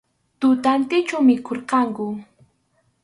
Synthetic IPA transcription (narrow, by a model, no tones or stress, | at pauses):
t̪ʊt̪ant̪ɪt͡ʃawmɪkʰoɾqɑŋkʊ